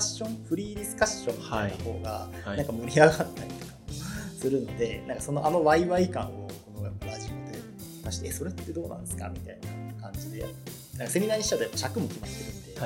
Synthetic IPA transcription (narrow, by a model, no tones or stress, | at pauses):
ɕõ̞ɴ̃ɸɯ̟ɾʲiːd̪ʲisɨ̥kaɕːõ̞nt̪aho̞̰ːɡaãŋkamɯ̟ɾʲiaɡat̪ːaɾʲit̪o̞̥kasɨɾɯ̟no̞d̪e̞nãŋkaso̞noʔano̞βaiβaikã̰ɰ̃o̞ko̞no̞japːaɾaʑio̞d̪e̞ | k̪aɕi̥t̪eʔːso̞ɾe̞t̪ːed̪o̞ːnã̰nd̪esɨ̥ka̰mʲit̪ainakãɲd͡ʑid̪e̞̰ | nãŋkase̞mʲinaːɲ̟iɕi̥t͡ɕat̪ojapːaɕakɯ̟mo̞kʲimat̪ːe̞ɾɯ̟̃nd̪e̞